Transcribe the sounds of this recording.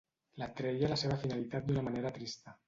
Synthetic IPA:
lat̪ɾejalaseβ̞afinalit̪at̪̚d̪unamaneɾat̪ɾist̪a

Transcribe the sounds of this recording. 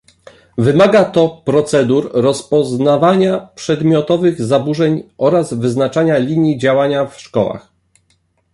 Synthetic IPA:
vɘmaɡat̪ɔpɾɔt̪sɛd̪uɾɾɔspɔznavaɲapʂɛd̪mʲjɔt̪ɔvɘɣzabuʐɛɲʔɔɾazvɘznat͡ʂaɲalʲiɲjid͡ʑawaɲafʂkɔwa̰x

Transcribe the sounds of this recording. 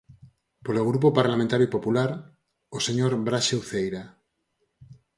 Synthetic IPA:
poloɣ̞ɾup̬opaɾlamẽnt̪aɾjuipopulaɾ | oseɲoɾbɾaʃewθejɾa

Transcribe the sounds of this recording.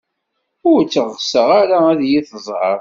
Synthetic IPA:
ʊɾt͡sːəʁsəʁaɾaæðjiθəzˤʕə̰ɾ

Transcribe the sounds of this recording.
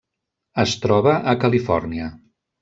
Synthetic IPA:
əst̪ɾɔβəʔəkəlifɔ̰rniə

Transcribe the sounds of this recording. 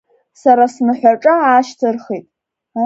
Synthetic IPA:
saɾasnɨħʷaʈ͡ʂʼaaːʃtʰɨrχijtʼ | a

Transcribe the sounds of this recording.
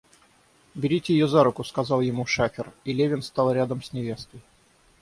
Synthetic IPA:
bʲɪɾʲitʲɪjɪjozaɾʊkʊskɐzɑlˠjɪmuʂafʲɪrilʲevʲɪnst̪ɑlˠɾʲad̪əmsʲnʲɪvʲe̞st̪əj

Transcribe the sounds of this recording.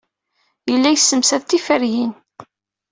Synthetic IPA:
jəlːæjəsːəmsæðt̪ːifəɾjin

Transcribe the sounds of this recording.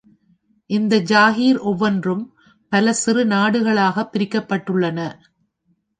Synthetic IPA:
ʔɪnd̪ɐd͡ʒaːɣiːɾʔɔʋːɐndrɯm | pɐlɐsɪrɯnaːɽɯɣɐɭaːɣɐpːɪɾɪkːɐpːɐʈːɯɭːɐnɐ

